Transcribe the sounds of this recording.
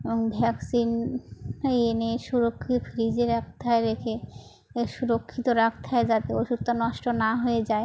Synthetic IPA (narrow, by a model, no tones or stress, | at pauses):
eboŋbʱɛksin | eeneʃuɾokʰːit̪ofɾid͡ʑeɾak̚t̪ʰaeɾekʰe | ʃuɾokʰːit̪oɾak̚t̪ʰaed͡ʑat̪eoʃut̪ːanɔʃʈonaɦoed͡ʑae